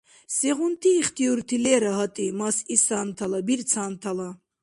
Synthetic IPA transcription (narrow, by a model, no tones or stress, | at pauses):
sɛʁunt̪ʰiːχt̪ʰiuɾt̪ʰilɛɾaɦat̪ʼimasisaːnt̪ʰalabiɾt͡sʰaːnt̪ʰala